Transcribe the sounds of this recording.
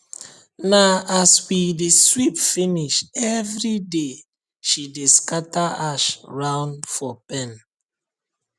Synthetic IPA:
naaswideswipfiniʃɛvɹide | ʃideskataaʃɹãʊ̃ndfɔpɛ̃n

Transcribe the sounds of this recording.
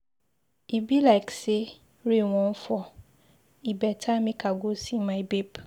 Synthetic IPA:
ibilaɪkse | ɾewɔ̃nfɔ | ibɛtʰamɪ̃kʰaɡosĩmãbep

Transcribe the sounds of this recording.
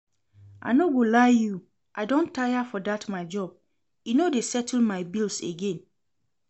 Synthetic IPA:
ʔa̰ɪnoɡolaju | ʔaɪdõntʰajafɔdatmaɪd͡ʒɔb̥̚ | inodesɛtʰl̩maɪbilseɡẽn

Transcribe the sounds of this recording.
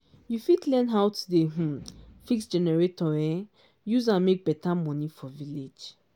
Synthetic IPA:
jufidlɛ̃nɦawtudeɦ̩fiksd͡ʒɛnɛɹetɔɛ | juzãnmek̚bɛtamɔ̃nifɔviled͡ʒ

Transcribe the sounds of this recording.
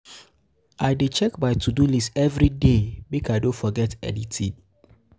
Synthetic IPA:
ʔaɪdet͡ʃɛkbaɪtʰudulisɛvɾidebikajdõfɔɡɛtɛ̰ditʰi

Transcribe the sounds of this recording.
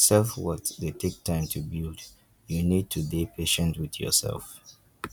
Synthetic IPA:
sɛlfwɔtðetʰek̚tʰãɪ̃mtʰubild | junid̚tʰudepʰeʃə̃ntwɪðjɔ̰sɛ̰lˠf

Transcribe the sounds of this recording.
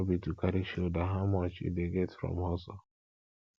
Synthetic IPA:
bitukaɾiʃodaɦamɔt͡ʃḭdeɡetfɾɔ̰mɦɔsɔ

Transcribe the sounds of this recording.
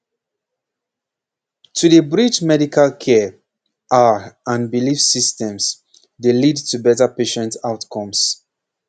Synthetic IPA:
tʰuðəbɹit͡ʃmɛɾikʰalkʰɛ | ʔaãnbilifsistɛ̃ms | delidtʰubɛtəpeʃɛ̃ntaʊtkʰɔ̃ms

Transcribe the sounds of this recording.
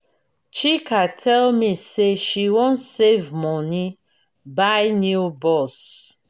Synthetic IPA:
t͡ʃikʰatʰɛlmiseʃiwɔ̃ntsevmɔni | baɪnjubɔs

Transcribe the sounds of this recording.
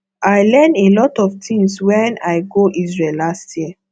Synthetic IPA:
aɪlɛ̃nelɔtɔftʰĩŋɡswɛ̃naɪɡoʔizɹelastʰjiə

